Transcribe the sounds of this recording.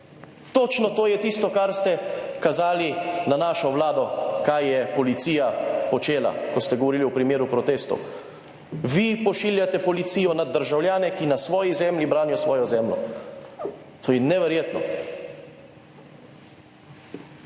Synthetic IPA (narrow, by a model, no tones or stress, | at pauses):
t̪ot͡ʃnɔt̪oːjɛt̪ist̪ɔkaɾst̪ɛkazaːlinanaːʃɔʋlaːd̪ɔkajːɛpɔlit̪siːjapɔt͡ʃeːla̰kɔst̪ɛɡɔʋɔɾiːliwpɾimeːɾupɾɔt̪eːst̪ɔ̰w | ʋipɔʃiːljat̪ɛpɔlit̪siːjɔnad̪ːəɾʒawljaːnɛkinasʋɔːjizɛːmlibɾaːnjɔsʋɔːjɔzɛmlɔ̰ | t̪ʰoːjɛnɛʋɛɾjeːt̪nɔ̰